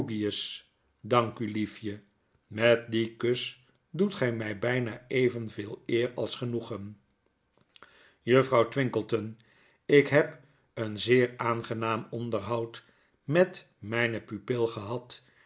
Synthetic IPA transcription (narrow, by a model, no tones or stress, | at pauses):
ɡiəs | dɑŋkylifjə | mɛt̚dikøs | dutχɛjmɛjbɛjnaːejvənvɪːlˠɪːrɑlˠsχənuχən | jɵfrɑwtʋɪŋkəlˠtən | ɪkɦɛp | ənzɪːɹaːnχənaːmɔndəɹɦʌwt | mɛt | mɛjnəpypɪlˠχəɦɑt